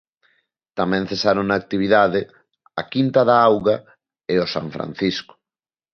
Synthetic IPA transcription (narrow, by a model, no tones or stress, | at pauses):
t̪amɛ̃ŋ̟θesaɾoŋnaːk̚t̪iβ̞iðaðɪ | akint̪aðaawɣa | eosa̰ɱfɾa̰n̟θiskʊ̥